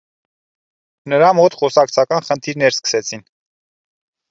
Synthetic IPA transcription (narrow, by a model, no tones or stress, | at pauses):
nəɾɑmɔt̪χɔsɑk̚t͡sʰɑkɑnχənt̪ʰiɾnɛɾskə̥sɛt͡sʰin